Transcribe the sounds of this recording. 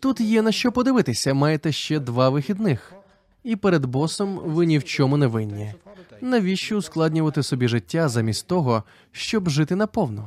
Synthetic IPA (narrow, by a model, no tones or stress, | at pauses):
t̪ut̪jɛnɐʃt͡ʃɔpɔd̪ɪʋɪt̪ɪsʲɐmɑjɛt̪ɛʃt͡ʃɛd̪ʋɑʋɪxʲid̪nɪx | ipɛɾed̪bɔsɔmʋɪnʲiwt͡ʃɔmʊnɛʋɪnʲːinɐʋʲiʃt͡ʃʊʊsklˠɑdʲnʲʊʋɐt̪ɪsɔbʲiʐɪtʲːazɐmʲist̪t̪ɔɦɔ | ʃt͡ʃɔbʒɪt̪ɪnɐpɔwnɔ